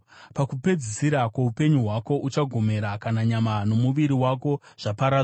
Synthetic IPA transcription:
pakupe̞d͡zisiɾakweupe̞ɲuɦwako̞ʔut͡ʃaɡʱo̞me̞ɾakanaɲamano̞muʋiɾiwako̞ʐ̥apaɾaː

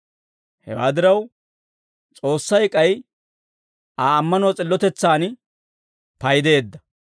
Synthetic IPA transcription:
hɛ̰waːd̪ɪɾɐw | t͡sʼo̞ːsːɐjkʼɐj | aːmːɐnɔːt͡sʼɪlːɔt̪ɛt͡sːaːn | pɐjd̪e̞ːd̪ːɐ

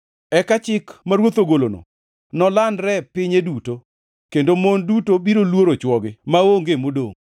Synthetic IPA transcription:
ɛkat͡ʃɪkmaɾwot̪oɡolono̰ | nɔlanɾɛpɪɲeduto | kendomondutobiɾolwoɾot͡ʃwɔɡɪmaoŋɡemodo̰ŋ

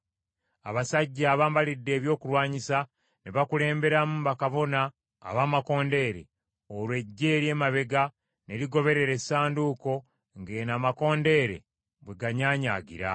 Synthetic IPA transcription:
aβasaɟːaːβaːmbalidːe̞ːβjo̞ːkulwaːɲisa | neβakule̞ːmbe̞ɾamumβakaβo̞na̰ː | βaːmako̞ːnde̞ːɾe̞̰ | olwe̞ɟːe̞ːɾje̞ːmaβe̞ɡa | ne̞liɡo̞βe̞ɾe̞ɾe̞saːnduːko̞ | ŋɡe̞ːnaːmako̞ːnde̞ːɾe̞̰ | βwe̞ɡaɲaːɲa̰ɡḭɾa̰

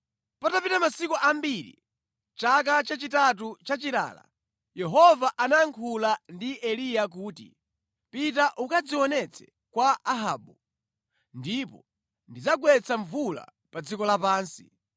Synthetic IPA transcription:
patapitamasikuʔambiɾḭ | t͡ʃak̬at͡ʃat͡ʃitat̬ut͡ʃat͡ʃila̰ːla̰ | jɛɦɔvaʔanaŋkʰulandiʔɛlijak̬uːtḭ | pitaʔukad͡ziwɔnɛt͡sʰɛ̥ | kwaaɦaːɓu | ndipɔ | ndid͡zaɡwɛt͡saɱvula̰ | pad͡zikɔlapaːnsi

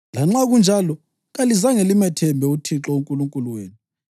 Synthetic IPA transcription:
laŋ͡ǁaɣund͡ʒʱalɔ | ɣalizaŋelimɛtʰɛmbʱɛutʰiǁɔuŋkʼuluŋkʼuluweːnu

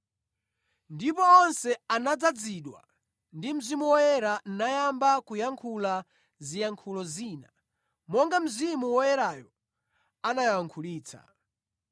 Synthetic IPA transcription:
ndipɔːnsɛanad͡zad͡ziɗwa̰ | ndim̩zimuwɔjɛɾan̩najambakujaŋkʰula | zijaŋkʰulɔziːna̰ | mɔŋɡam̩zimuwɔjɛɾaːjɔ | anajajaŋkʰuliːt͡sa̰

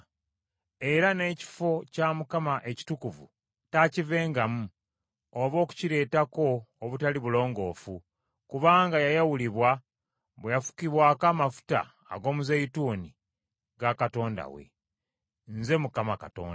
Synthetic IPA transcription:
e̞ɾane̞ːci̥fo̞camukamaʔe̞ci̥tukuvṵ | tacive̞ːŋɡamu | oβo̞ːku̥ciɾe̞ːtako̞ːβutaliβulo̞ːŋɡo̞ːfu | kuβaːŋɡajajawuliβwa | βwejafu̥kiβwaːkaːmafu̥ta̰ː | ɡo̞ːmuzajituːni | ɡakato̞ːnda̰wḛ | nze̞mukamaka̰to̰ːnda

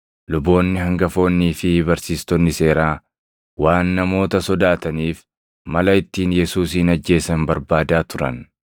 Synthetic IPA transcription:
lʊbo̞ːnːɪɦɐŋɡɐfo̞ːnːiːfɪbɐɾsiːst̪ɔnːɪse̞ːɾaː | waːnːɐmo̞ːt̪ɐsɔd̪aːt̪ɐniːf | mɐlɐɪt̪ːiːnjɛsuːsiːnɐd͡ʒːe̞ːsɐnbɐɾbaːd̪aːt̪ʊɾɐ̰n

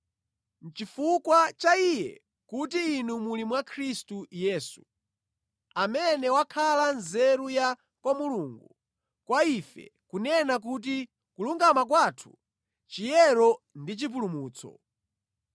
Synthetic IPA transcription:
n̩t͡ʃifukwat͡ʃaijɛ̰ | kutiːnumulimwakʰɾistujɛːsu | amɛnɛwakʰalanzɛɾuja | kwamuluːŋɡu | kwaifɛ̰kunɛnak̬ut̬i | kuluŋɡamak̬waːtʰu̥̰ | t͡ʃijɛɾɔndit͡ʃip̬ulumuːt͡sʰɔ̰

